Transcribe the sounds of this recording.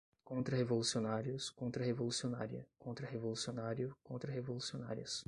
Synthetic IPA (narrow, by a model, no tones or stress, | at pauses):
kõnt̪ɾɐhevolusionaɾiʊskõnt̪ɾɐɦevolusiona̰ɾiɐ̰kõnt̪ɾɐɦevolusionaɾjʊkõnt̪ɾɐɦevolusiona̰ɾiɐs